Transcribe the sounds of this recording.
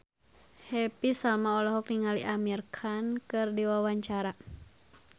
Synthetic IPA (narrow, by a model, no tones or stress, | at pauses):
hɛpisalmaɔlɔɦɔk̚niŋaliʔamirkʰankɨrdiwawaɲt͡ʃaɾa